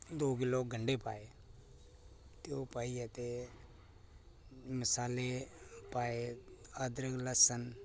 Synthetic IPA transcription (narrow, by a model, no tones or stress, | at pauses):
d̪oːkɪloːɡʱəɳɖepaːe | t̪opaːiat̪e | məsaːlepaːeəd̪ɾəɡləsən